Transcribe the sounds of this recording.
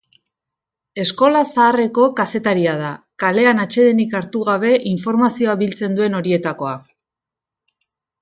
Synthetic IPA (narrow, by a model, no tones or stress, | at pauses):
e̞sko̞lasaːre̞ko̞kase̞t̪aɾiað̞akale̞anat͡ʃe̞ðenikaɾt̪uɣ̞aβ̞e̞ʔiɱfo̞ɾmasio̞aβilt͡se̞nd̪ue̞no̞ɾie̞t̪ako̞a